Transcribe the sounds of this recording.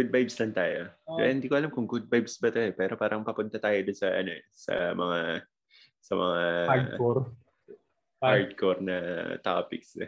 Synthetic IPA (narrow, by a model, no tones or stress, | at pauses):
ɡud̪̚bajbslɐnt̪aːjo̞̰ɛ̰hɪnd̪iːkoʔɐlamkʊŋɡʊd̪̚bajbsbɐt̪oʔɛpɛːɾo̞paːɾʔɐŋpɐpʊnt̪ɐt̪aːjod̪onsɐʔɐ̰no̞ɛsɐ̰mɐŋa | sɐmɐ̰ŋaakoɾ | haɹd̪̚koɾnɐt̪aːpɪksɛ